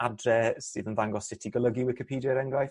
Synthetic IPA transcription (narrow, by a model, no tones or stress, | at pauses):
adrɛsɨ̰ːðənðaŋɡɔsɪtʰiɡəlˠəɡiwɪkɪpʰiːdjaɾɛŋɡlaj